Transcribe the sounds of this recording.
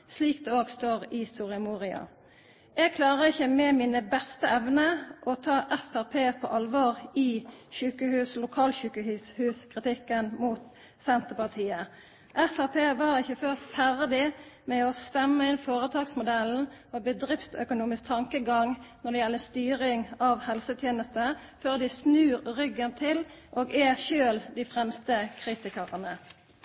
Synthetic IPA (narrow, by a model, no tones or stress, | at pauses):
sliːk̚d̪ɛoːɡst̪oːʁɪst̪uːʁəmuːʁɪɑ̰ | ɛɡ̚kʰlɑːʁəɪçːəmɛmɪnəbɛst̪əɛʋnəʔɔt̪ʰɑːʔɛfæʁpʰeːpʰɔ̰ːʔɑlʋoːʁɪçʉːkəhʉːslʊkʰɑːlçʉːkəhʉːshʉːskʰʁɪt̪ʰɪkːənmuːt̪ | sɛnt̪əpɑʁt̪ʰiːə | ʔɛfæʁpʰeːʋɑʁɪçːəføːʁfæʁd̪ɪmɛɔst̪ɛmːəɪnfoːʁət̪ʰɑːɡsmʊd̪ɛln̩ɔːbəd̪ʁɪftsœkʊnuːmɪsk̚t̪ʰɑŋkəɡɑŋnɔd̪ɛjɛlːəst̪yːʁɪŋɑʋhɛlsət̪ʰjeːnəst̪ə | føːʁd̪ɪsnʉːɾʁʏɡənt̪ʰɪlʔoːɡɛʃøːld̪ɪfʁɛmst̪əkʰʁiːt̪ɪkəʁənə